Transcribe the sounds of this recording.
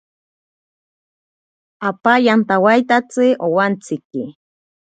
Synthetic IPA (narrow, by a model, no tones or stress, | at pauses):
apajant̪awajt̪at͡sɨowant͡sʰiki